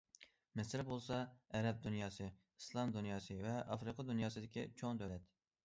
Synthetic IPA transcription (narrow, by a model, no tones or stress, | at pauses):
mɪsɪɾbolˠsɑɛɾɛp̚d̪unjɑːsɨ | islˠɑmd̪unjɑːsɨvɛʔɑfɾɨqʰɑd̪unjɑːsɨd̪ɪkʲit͡ʃʰoŋd̪ølɛt̪